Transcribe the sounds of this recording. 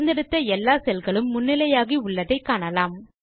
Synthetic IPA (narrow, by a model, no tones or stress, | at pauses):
nd̪ɪɽɯt̪ːɐɛlːaːsɛlɣɐɭɯmːʊnːɪlɐjaːɣiʊɭːɐðɐɪkːaːɳɐlaːm